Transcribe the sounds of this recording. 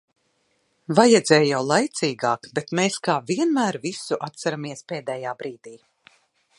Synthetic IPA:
vajɛd̪zɛːjjawlˠajt̪siːɡaːkbet̪meːskaːviɛnmæːɾvisuʔat̪saɾamiɛspeːd̪ɛːjaːbɾiːd̪iː

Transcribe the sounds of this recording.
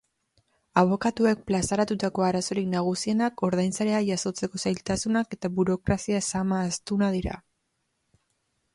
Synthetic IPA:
aβ̞o̞kat̪ue̞k̚plasaɾat̪ut̪ako̞aɾaso̞ɾiknaɣ̞usie̞nako̞ɾðajnsaɾe̞ajaso̞t͡se̞ko̞sajlt̪asunake̞t̪aβuɾo̞kɾasiasamaːst̪unaðiɾa̰

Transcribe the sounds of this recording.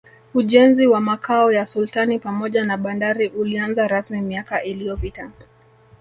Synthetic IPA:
uʄɛnziwamakʰaɔjasultanipamɔʄanaɓandaɾiʔulianzaɾasmimiakaʔilijɔpita

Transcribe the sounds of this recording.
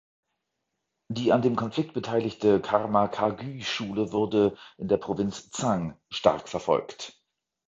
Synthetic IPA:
d̥iːandeːmkʰɔnfl̥ɪk̚t̚b̥ətʰaɪlɪçtəkʰaʁmakʰaɡyːʃuːləvʊʁdəʔɪndeːɐpʁ̥ovɪnt͡st͡saŋ | ʃta̰ʁkfɛɐfɔ̰lkt

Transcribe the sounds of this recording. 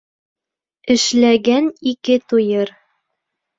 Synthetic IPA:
ɘ̆ʃlæɡænikɘt̪ujɤɾ

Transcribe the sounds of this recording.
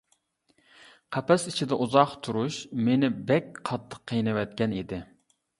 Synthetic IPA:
qʰæpɛsi̥t͡ʃʰid̪ɛʔuzɑqt̪ʰuɾuʃmenɪbɛk̚ʲqʰɑt̪ʰːə̥qʰːəjnɨwɛt̪̚kʲɛnid̪ɪ

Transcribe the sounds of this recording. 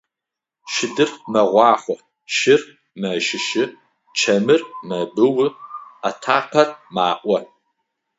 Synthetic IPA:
ʃɪdɨrmɐʁʷɑːχʷɔ | ʃɪr | mɐʃɪʃɪ | t͡ʃʰɐmɨrmɐbɨwɨatʰaːqʰɐrma̰ːʔʷɐ

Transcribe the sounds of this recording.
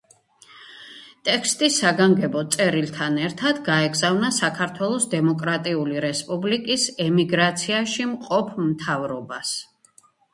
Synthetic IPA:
t̪ʼɛkʰst̪ʼisaɡaŋɡɛbɔt̪sʼɛɾilt̪ʰanɛɾt̪ʰad̪ɡaɛɡzavnasakʰaɾt̪ʰwɛlˠɔsd̪ɛmɔkʼɾat̪ʼiuliɾɛspʼublikʼisɛmiɡɾat̪sʰiaʃimqʼɔpʰmt̪ʰavɾɔbas

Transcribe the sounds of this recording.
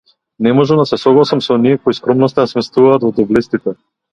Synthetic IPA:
nɛmɔʒɛmd̪asɛsɔɡlˠasamsɔniɛkoiskɾɔmnɔst̪anasmɛst̪vuvaːt̪vɔd̪ɔblɛst̪it̪ɛ

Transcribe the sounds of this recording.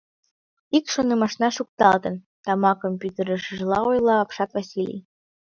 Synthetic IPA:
ikʃonɤmɑʃnɑʃuk̚t̪ɑlˠt̪ɤ̆n | t̪ɑmɑkomʲpʲut̪eɾə̆ʃiʒ̆lˠɑojlˠɑːpʃɑt̪vasʲilʲḭj

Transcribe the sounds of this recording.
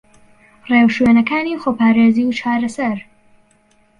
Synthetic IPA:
reːwʃweːnɐkaːniːxoːpʰaːɾeːziːwt͡ʃʰaːɾɐsɐɾ

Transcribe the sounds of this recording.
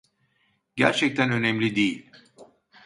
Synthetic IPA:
ɟæɾt͡ʃʰɛc̚t̪ʰænø̞nɛmlʲid̪ejilʲ

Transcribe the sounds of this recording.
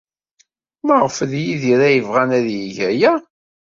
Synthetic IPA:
məʁfəðjiðiɾæjəvʁænæðjiʝæjæ

